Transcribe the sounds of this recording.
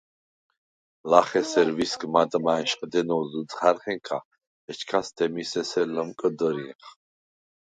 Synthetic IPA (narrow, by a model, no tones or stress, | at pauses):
laχɛsɛɾviskʰʼmat̪ʼmaɛnʃχʼd̪ɛnɔzut͡sʼχaɾχɛŋkʰa̰ | ɛt͡ʃʰkʰasd̪ɛmisɛsɛləmkʼəd̪əɾĩχ